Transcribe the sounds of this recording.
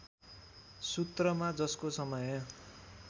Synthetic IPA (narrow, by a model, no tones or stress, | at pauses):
sut̪rʌmad͡zʌskosʌmʌjʌ